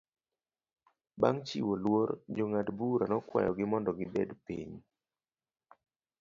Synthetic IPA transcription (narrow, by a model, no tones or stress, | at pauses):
baŋt͡ʃḭwolword͡ʒoŋatbuɾanɔkwa̰jɔɡɪmɔndɔɡɪbɛdpḭɲ